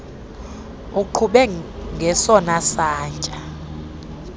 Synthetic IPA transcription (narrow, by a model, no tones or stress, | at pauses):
uǃʰuɓɛŋɡʱɛsɔnasaːnt͡ʃʼa